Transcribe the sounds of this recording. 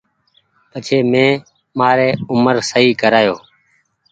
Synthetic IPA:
pət͡ʃʰeːmẽː | maːɾeːʊməɾsəɦiːkəɾaːjoː

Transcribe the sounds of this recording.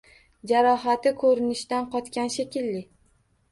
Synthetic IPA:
d͡ʒaɾɒɦat̪ɪkʰɵɾɪnɪʃt̪anqʰɒt̪kʲanʃekʲɪlːɪ

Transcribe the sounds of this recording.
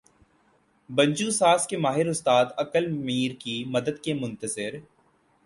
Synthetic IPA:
bɐ̃ɲd͡ʒuːsaːskemaːɦɪɾʊst̪aːd̪ɐkəlmiːɾkimɐd̪əd̪̚kemʊ̃nt̪əzɪɾ

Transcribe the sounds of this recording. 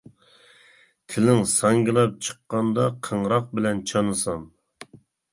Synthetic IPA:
t̪ʰɪlɪŋsɑŋɡʲilˠɑp̚t͡ʃʰə̥qːɑnd̪ɑqʰəɴɾɑq̚bɪlɛnt͡ʃʰɑnɨsɑn

